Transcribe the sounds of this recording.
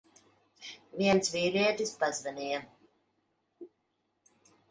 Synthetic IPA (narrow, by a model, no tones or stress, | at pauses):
viɛnsviːɾiɛt̪ispazvɛnʲijɛ